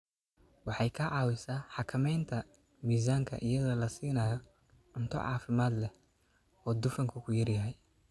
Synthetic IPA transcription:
wɑħɑjkʰɐʕɑːwɪsaːħɑkʰɐmɛjnt̪ʰɐ | miːs̬aːŋkʰɐ̰ʔɪjɐðɔːlɐsiːnaːjɔ | ʊnt̪ʰɔ̰ʕɑ̰ːfɪmaːd̪lɛ | ɔːd̪ʊfɐŋkʰʊkʰʊjɐrjɐɦɛj

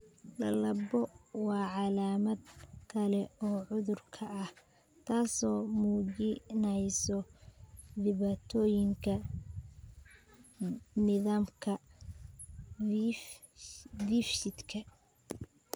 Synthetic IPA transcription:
lɐlɐbɔwɑːʕɑlaːmɐd̪kʰɐlɛɔːʕʊðʊrkʰɐʔːh | t̪ʰaːsɔːmuːt͡ʃɪnɛjsɔ | d̪ɪβaːt̪ʰɔːjɪŋkʰɐ | nɪðaːmkʰɐ | difʃɪd̪kʰɐ

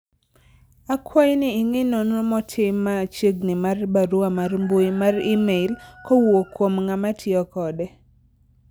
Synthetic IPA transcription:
akʰwajnɪːŋɪnonomɔtʰɪmːat͡ʃeɡnɪmarbaɾuamarmbojmarimeɪlkɔwokwomŋamatʰjɪɔkɔdɛ

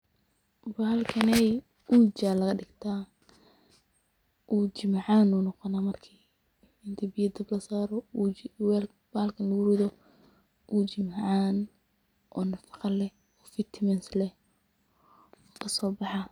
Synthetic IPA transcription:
baːlkʰɐnɛj | ut͡ʃaːlɐɣɐɖɪɡt̪ʰaː | ʔuːt͡ʃɪmʕaːnːuːnɔqɔnaːmɐrkʰiː | ɪnt̪ʰɐbɪjɐd̪ɐblɐsaːɾɔ | l | b̥aːlkʰɐnʊɣʊɾɪðɔ | ʔuːt͡ʃɪmʕaːn | ʔɔːnɐfɑ̥qɑlɛ | ɔːfɪt̪ʰmɛnslɛ | kʰɐsɔːbɑħɑ

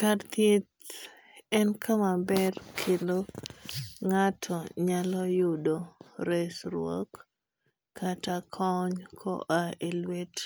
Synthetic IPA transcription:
kart̪et̪ | ɛnkʰamabɛrkʰɪlo | ŋatʰɔɲalɔjʊdoɾesɾwo̰kː | atakʰɔɲkʰɔ̰ʔaelwet

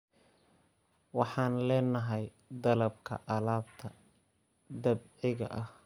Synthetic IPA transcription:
wɑħɑːnlɛːnɐɦɛj | d̪ɐlɐb̚kʰɐ̰ʔɐlaːbt̪ʰɐ | d̪ɐbʕɪɣɐ̰ʔɐh

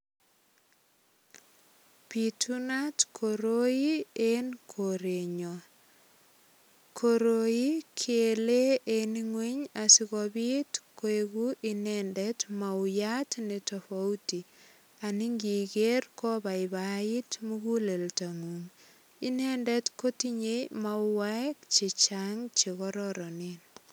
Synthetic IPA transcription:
pitunatkʰoɾoienkʰoɾeɲo | kʰoɾoikʰeleeniŋweɲasiɣɔbitkoeɣuʔinɛndɛtmaujatnɛtafauti | aniŋɡikerkɔbaɪbaitmukuleltaŋuŋ | inɛndɛtkotiɲemauwaɛkt͡ʃit͡ʃaŋt͡ʃeɣɔɾɔɾɔnin

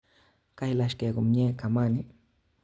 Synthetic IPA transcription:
kajlaʃkekʊmɲeːkamanɪ

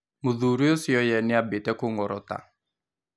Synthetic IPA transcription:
muðuɾiosjɔjɛnɪabɪtɛkʊŋɔɾɔ̰ta̰

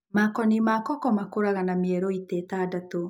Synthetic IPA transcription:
makɔnimakɔkɔmakoɾaɣanameɛɾoitɛtaːdato

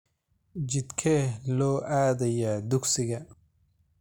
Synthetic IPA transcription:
d͡ʒɪd̪kʰɛlɔːʔaːd̪ɐjad̪ʊksɪɣɐ

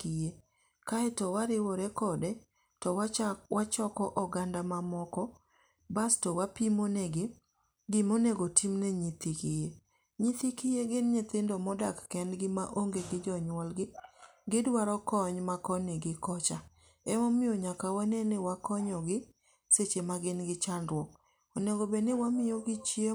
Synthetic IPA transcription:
kije | kaɛtɔwaɾɪwɔɾɛkɔdɛ | tɔwwat͡ʃɔkɔʔɔɡandamamɔkɔ | bastɔwapimoneɡɪ | ɡɪmoneɡotimnɛɲit̪ikije | ɲit̪ikɪjeɡɪnɲɪt̪ɪndomɔdakːɛnɡɪmaʔoŋɡeɡɪd͡ʒɔɲwɔlɡɪ | ɡɪdwaɾɔkɔɲmakɔneɡɪkɔt͡ʃa | ɛmomɪoɲakawanɛnɪwakɔɲɔɡɪ | set͡ʃemaɡɪnɡɪt͡ʃandwɔk | ɔneɡobenɪwamɪjoɡɪt͡ʃie

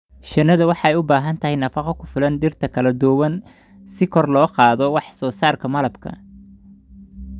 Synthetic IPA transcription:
ʃɐnːɐðɐwɑħɑɛjʊbaːɦɐnt̪ʰɐɦɛjnɐfɑqɔkʰʊfɪlɐnd̪ɪrt̪ʰɐkʰɐlɐd̪ɔwɐn | sɪkʰɔrlɔːqɑːðɔwɑħsɔːsaːrkʰɐmɐlɐbkʰɐ̰

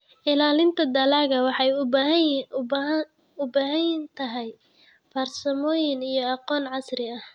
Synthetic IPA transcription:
ʔɪlaːlɪnt̪ʰɐd̪ɐlaːɣɐwɑħɑjʊɦ | ʊbaːɦɐjnt̪ʰɐɦɛj | pɐrsɐmɔːjɪnijɞɑqɔːnʕɑsrɪɐh

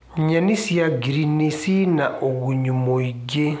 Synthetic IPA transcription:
ɲanisijaɡiɾinisinaʔoβuɲumoiɟe

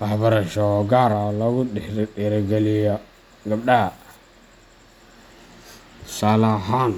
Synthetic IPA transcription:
abaɾaʃɔɡaɾalaɡuɗiɾɗeɾaɡalija | ɡabɗa | salaɦan

